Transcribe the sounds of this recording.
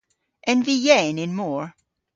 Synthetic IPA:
ʔɨ̃nvijẽɪ̃nɨ̃nmɔɹ

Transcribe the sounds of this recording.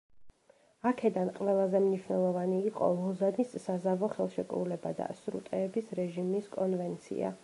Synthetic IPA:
akʰɛd̪anqʼvɛlˠazɛmniʃwnɛlˠɔvaniːqʼɔ̰lˠɔzanisːazavɔχɛlˠʃɛkʼɾṵlɛba̰d̪a̰sɾṵt̪ʼɛːbisɾɛʒimiskʼɔnvɛnt̪sʰḭa̰

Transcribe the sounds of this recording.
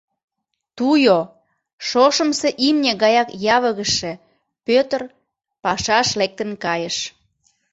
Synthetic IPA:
t̪ujo | ʃoʃə̆mseʔimnʲeɣɑjɑkjɑβəɣəʃĕ | pøt̪ər | pɑʃɑʃlek̚t̪ə̆nkɑjəʃ

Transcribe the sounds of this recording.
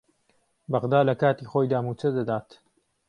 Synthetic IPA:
bɐʁd̪aːlɐkaːt̪iːxoːjd̪aːmuːt͡ʃɐd̪ɐd̪aːt̪

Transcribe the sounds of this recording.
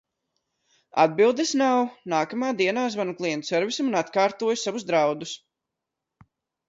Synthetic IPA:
a̰d̪̚bilˠd̪esnawnaːkamaːd̪iɛnaːzvanuklˠiɛnt̪sɛɾvʲisimunat̪kaːɾt̪uɔjusavuzd̪ɾawd̪us

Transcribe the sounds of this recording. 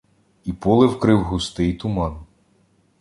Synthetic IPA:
ipɔlˠɪwkɾɪwɦʊst̪ɪjt̪ʊmɑn

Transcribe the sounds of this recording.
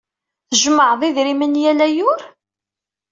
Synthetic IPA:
θəʒməʕðˤiðɾimənjælæjʊɾ

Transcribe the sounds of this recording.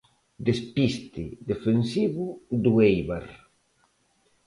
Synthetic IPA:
d̪espist̪ɪd̪efensiβud̪uejβaɾ

